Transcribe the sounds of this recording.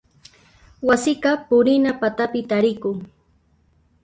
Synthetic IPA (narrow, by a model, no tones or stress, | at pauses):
wasɪqɑpʊɾɪnapat̪apɪt̪aɾɪkʊŋ